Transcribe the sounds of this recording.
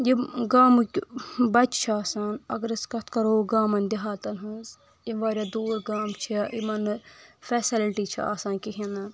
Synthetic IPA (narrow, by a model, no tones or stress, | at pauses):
jiɡaːmukʲbɐt͡ʃt͡ʃʰaːsaːnɐ̰ɡɐɾɐskɐt̪ʰkɐɾoːɡaːmɐnʲd̪iɦaːt̪ɐnɦɐz | iʋaːɾʲad̪oːɾɡaːmt͡ʃʰiaʔimɐnfɛsilʈit͡ʃʰia̰ːsaːnkiɦʲina